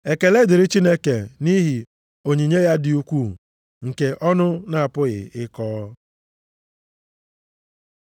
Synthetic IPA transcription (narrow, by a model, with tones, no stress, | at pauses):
e˨ke˨le˦dɪ˨ɾɪ˦t͡ʃi˦ne˦ke˨ni˦ɦi˨ | o˨ɲi˨ɲe˦ja˦dɪ˨u˦kʷu˦ | ŋ̩˨ke˨ʔɔ˦nʊ˦na˨a˨pʊ˦ɣɪ̰˨ɪ˦kɔː˦